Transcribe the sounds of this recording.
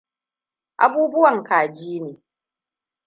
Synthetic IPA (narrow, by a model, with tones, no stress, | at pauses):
ʔa̰˦buː˦bʊ˦wɐ˨ŋkaː˨d͡ʒiː˦neː˨